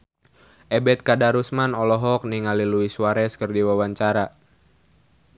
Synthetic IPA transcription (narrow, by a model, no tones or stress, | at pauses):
ʔɛbɛt̪̚kadaɾusmanɔlɔɦɔk̚niŋaliluisuwaɾɛskərdiwawaɲt͡ʃaɾa